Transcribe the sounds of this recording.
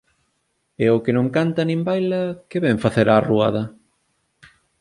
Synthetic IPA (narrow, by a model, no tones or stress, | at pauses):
ɛʊkɪnõŋkant̪ɐnĩmbajlɐkeβɛɱfaθeɾarua̰ðɐ